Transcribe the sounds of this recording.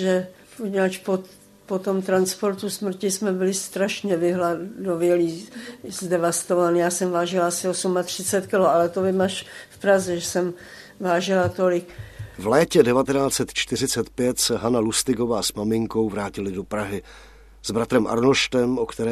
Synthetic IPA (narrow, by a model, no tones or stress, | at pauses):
ʒɛ | poɲɛat͡ʃpo | pot̪o̞mt̪ɾanspo̞ɾt̪usmr̩cɪsmɛbɪlɪst̪ɾaʃɲɛvɪɦladovjɛliːzdɛvast̪ovanjaːsɛmvaːʒɪlaasɪosumat̪r̥ɪt͡sɛt̪kɪloalɛt̪ovɪmaʃfpɾazɛʒɛsɛm | vaːʒɪlat̪olɪkvlɛːcɛdɛvat̪ɛnaːt͡sɛt̪t͡ʃt̪ɪr̝ɪt͡sɛt̪pjɛt̪sɛɦanalust̪ɪɡo̞vaːsmamɪŋko̞wvɾaːcɪlɪdopɾaɦɪ | z̥bɾat̪ɾɛmʔa̰ɾnoʃt̪ɛmʔokt̪ɛɾɛː